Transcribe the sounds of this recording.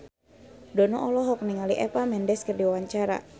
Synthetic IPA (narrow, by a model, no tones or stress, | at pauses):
dɔnɔʔɔlɔɦɔk̚niŋaliʔɛpamɛndɛskərdiwaɲt͡ʃaɾa̰